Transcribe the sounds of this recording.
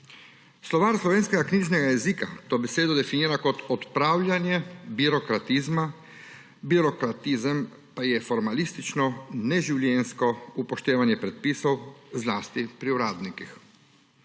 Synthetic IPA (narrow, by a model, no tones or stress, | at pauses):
slɔʋaːɾslɔʋeːnskɛɡakniːʒnɛɡajɛziːkat̪oːbɛseːd̪ɔd̪ɛfiniːɾakɔt̪ɔt̪pɾaːwlʲjanjɛbiɾɔkɾat̪izma | biɾɔkɾat̪izəm | pajɛfɔɾmalist̪it͡ʃnɔnɛʒiwljɛnskɔupɔʃt̪eːʋanjɛpɾɛt̪̚piːsɔwzlaːst̪ipɾiuɾaːd̪nikix